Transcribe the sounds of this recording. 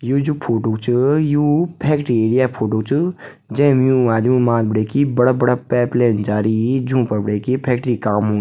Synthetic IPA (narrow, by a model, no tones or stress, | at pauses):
juːd͡ʒubpʰoːʈoːkt͡ʃɨjuːpʰɛːkʈɾieːɽijaːpʰoːʈoːkt͡ʃɨ | d͡ʒɛ̃ːmjũːaːd̪mũmaːt̪̚bəɽeːkibəɽaːbəɽaːpɛːpleːnd͡ʒaːɾid͡ʒũːpəɾbəɽeːkipʰɛːk̚ʈɾikaːmɦõː